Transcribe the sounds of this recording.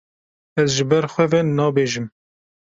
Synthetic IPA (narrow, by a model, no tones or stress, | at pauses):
ɛzʒɨbɛɾxʷɛvɛnːɑːbeːʒɨm